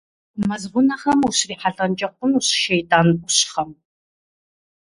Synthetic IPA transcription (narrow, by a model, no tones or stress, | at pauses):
mɐzʁʷʊnɐχɐmuɕriːħaɮɐnt͡ʃʼɐqʷʊnuɕʃejtʼaːnuɕχɐm